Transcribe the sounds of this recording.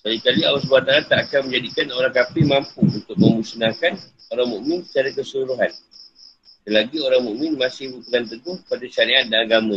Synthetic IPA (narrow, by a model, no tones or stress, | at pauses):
salikaliawasbuat̪aɾat̪ːaʔakanmə̃ɲd͡ʒadikanoɾaŋkapimãmpuunt̪ʊk̚mə̃musnakan | oɾaŋmuʔmɪ̃nsə̥t͡ʃaɾakəsəluɾuɦan | dəlaɡioɾaŋmuʔmɪ̃nmãsɪhbut̪uŋant̪̬əɡʊhpadaʃaɾiʔat̪̚danaɡamã